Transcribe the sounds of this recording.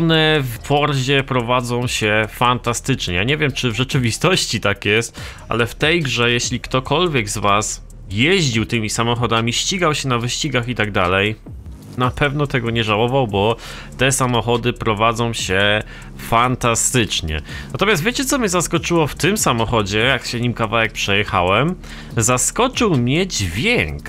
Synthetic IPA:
ɔnɛfpɔɾʑɛpɾɔvad̪zɔ̃w̃ɕɛfant̪ast̪ɘt͡ʂɲɛjaɲɛvʲjɛmt͡ʂɘvʐɛt͡ʂɘvʲist̪ɔɕt͡ɕit̪akjɛst̪ʔa̰lɛft̪ɛjɡʐɛjɛɕlʲikt̪ɔkɔlvʲjɛɡzvas | jeʑd͡ʑiwt̪ɘmʲisamɔxɔd̪amʲiɕt͡ɕiɡawɕɛnavɘɕt͡ɕiɡaxit̪aɡ̚d̪alɛj | napɛvn̪ɔt̪ɛɡɔɲɛʐawɔvawbɔ | t̪ɛsamɔxɔd̪ɘpɾɔvad̪zɔ̃w̃ɕɛ | fant̪ast̪ɘt͡ʂɲɛ̰nat̪ɔmjast̪vjet͡ɕɛt̪sɔmʲɲɛzaskɔt͡ʂɘwɔft̪ɘmsamɔxɔd͡ʑɛjakɕɛɲimkavawɛk̚pʂɛjɛxa̰wɛm | zaskɔt͡ʂɘwmʲɲɛd͡ʑvʲjɛŋk

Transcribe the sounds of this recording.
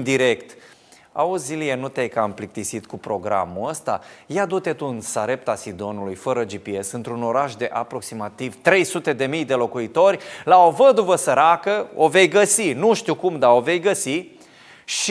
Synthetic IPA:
nd̪iɾe̞kt̪ | a̰uzʲilijenut̪eajkamplik̚t̪isit̪kupɾo̞ɡɾa̰muəst̪a̰jad̪ut̪e̞t̪unsaɾe̞p̚t̪asid̪o̞nulujfəɾəd͡ʒipie̞sɨnt̪ɾuno̞ɾaʃd̪e̞ʔapɾo̞ksimat̪iv̥t̪ɾe̞jsut̪e̞d̪e̞mijd̪e̞lo̞kuit̪o̞rʲlao̞vəd̪uvəsəɾakəo̞ve̞jɡəsinuʃt̪ikumd̪ao̞ve̞jɡəsi | ʃ

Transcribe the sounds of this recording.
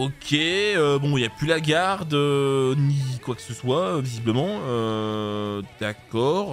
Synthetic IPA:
okʲʰeøbɔ̃iljaplylaɡʲaʁd̪ønikwakə̥səswaøvizibləmɑ̃ø | d̪̥akɔʁ

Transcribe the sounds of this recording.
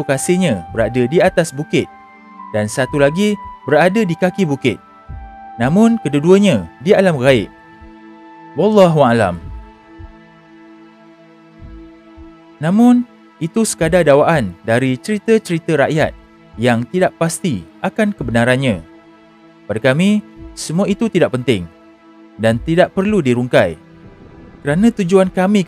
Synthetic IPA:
okasiɲãbəɾadədiat̪asbukɪt̪̚ | dansat̪ulaɡibəɾadədikakibukɪt̪̚ | nãmʊ̃nkəduduəɲãdialamraɪʔ | wɑlːɑɦuala̰m | nãmʊ̃n | it̪usə̥kadadawaʔandaɾit͡ʃəɾit̪ət͡ʃəɾit̪əɾaʔja̰t̪̚ | jaŋt̪idaʔpast̪iʔakankəbənãɾanɲã | padakamĩsəmũãit̪ut̪idaʔ̚pənt̪ɪŋ | dant̪idaʔpərludiɾuŋkaj | kəɾanãt̪ud͡ʒuankamĩ

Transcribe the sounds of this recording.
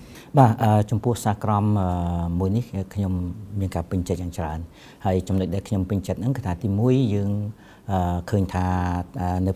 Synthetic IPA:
ɓaːʔəːt͡ɕɑmpʊ̆əhsaːkrɑmʔəːuəjnihəkʰɲomːiənkaːpɨɲt͡ɕət̪̚jaːŋt͡ɕraən | haəjt͡ɕɑmnoc̚ɗaɛlkʰɲompɨɲt͡ɕət̪̚nɨŋkɨːt̪ʰaːt̪iːmuəjːəːŋ | ʔəːkʰəːɲt̪ʰaːəːnɨ

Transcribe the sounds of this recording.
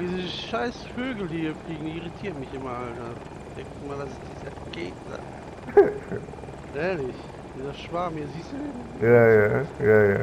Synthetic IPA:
d̥iːzəəʃaɪsføːɡl̩diːɐfliːɡŋ̩diːʁitʰiːɐtmɪçɪmɐaltda | d̥ɛktɪmaːldasd̥iːzɐ | ɡ̥ḛːtd̥a̰ː | ʔɛːɐlɪç | d̥iːzɐʃv̥aːmhiːɐziːstd̥udeː | jaːjaːjaːjaː

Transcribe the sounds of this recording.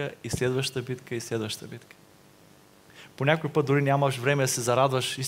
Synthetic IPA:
əislɛd̪vəʃt̪əbit̪kəislɛd̪vəʃt̪əbit̪kə̥ | ponʲakojpət̪̚d̪uɾinʲamɐʃvɾɛmɛd̪ɐsɛzɐɾad̪vɐʃis

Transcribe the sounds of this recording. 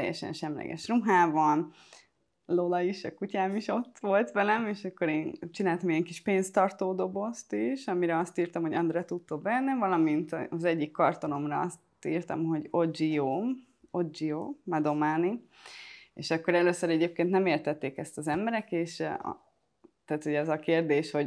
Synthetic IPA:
t̪ɛjːɛ̰ʃɛ̰nʃɛmlɛ̰ɡɛ̰ʃruɦaːbɒn | lolɒiʃɒ̰kucaːmiʃo̞t̪ːʋo̞lt̪ʋɛlɛmeːʃɒkːo̞ɾeːnt͡ʃinaːlt̪ɒmiɛŋkiʃpeːnst̪ɒrt̪oːd̪o̞bo̞st̪iʃɒmiɾɛɒst̪iːrt̪ɒmho̞ɟɒnd̪ɾɛt̪ut̪ːobɛnːɛvɒlɒmint̪ːzɛɟːikːɒrt̪o̞no̞mrɒɒst̪iːrt̪ɒ̰mɦo̞ɟo̞d͡ʒioː | o̞d͡ʒijoːmɛd̪o̞maːni | ḛːʃɒkːo̞ɾɛløːsːøɾɛɟeːp̚keːnt̪nɛmeːrt̪ɛt̪ːeːkɛst̪ɒzɛmbɛɾɛkeːʃ | t̪aːt̪ho̞ɟɛzɒkeːrd̪eːʃho̞ɟ

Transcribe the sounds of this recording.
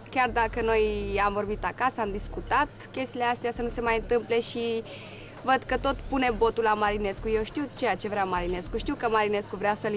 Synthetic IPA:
kʲard̪akəno̞jamvo̞rbit̪akasəamd̪iskut̪at̪kʲe̞st̪ileast̪easənuse̞majɨnt̪ɨmple̞ʃi | vəd̪kət̪o̞t̪pune̞bo̞t̪ulamaɾine̞skuje̞wʃt̪iwt͡ʃe̞jat͡ʃe̞vɾeamaɾine̞skuʃt̪iwkəmaɾine̞skuvɾeasəl

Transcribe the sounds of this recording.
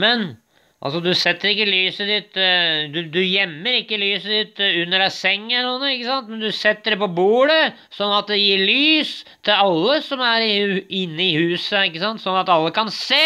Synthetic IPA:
mɛn | ʔɑ̰lsɔd̪ʉsɛt̪ːəɾɪkːəlyːsəd̪ɪt̪d̪ʉd̪ʉjɛmːəɾɪkːəlyːsəd̪ɪt̪ːʉnːəɾɑsɛŋːəuːnəɪkːəsɑnt̪mɛnd̪ʉsɛt̪ːəɖɛpɔbuːɽə | sɔnːɑt̪̚d̪ɛjiːlyːst̪ʰɪlɑlːəsɔmæɾɪnːəɪhʉːsəɪkːəsɑnt̪sɔnːɑt̪ɑlːəkɑnseː

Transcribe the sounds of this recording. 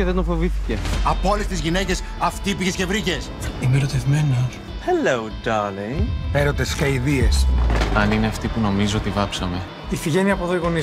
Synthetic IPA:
eðed̪ofo̞viθi̥ce̞ɐpolest̪izʝine̞ce̞s | ɐft̪ipiçece̞vɾice̞simeɾo̞t̪evme̞nos | helowd̪ɐleeɾot̪eskɐiðie̞sɐnine̞ɐft̪ipuno̞mizoot̪ivɐpsɐme̞ | ifiʝeniɐpoðoiɣo̞ni

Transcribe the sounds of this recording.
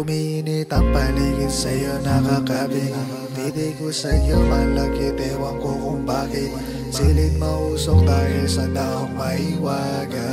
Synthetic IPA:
ʊminit̪ɐŋpɐliːɡɪnsɐjonɐkakabi | d̪id̪ikosɐɲomɐlɐkɪt̪ɛwɐŋkokʊŋbaːkɪt̪̚ | silɪt̪̚mɐʔuːsok̚d̪aːɦɪlsɐt̪aːhoŋmɐhiwaː | ɡɐ

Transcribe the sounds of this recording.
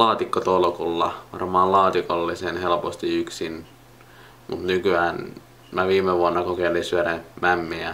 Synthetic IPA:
lɑːt̪ikːot̪olkulːɑʋɑ̰rmɑːllɑːt̪ikolːisenhelpost̪iyksin | mṵt̪nykyæːn | mæʋiːmːˑeʋuɑnːɑkokelisyølemæmːiæ

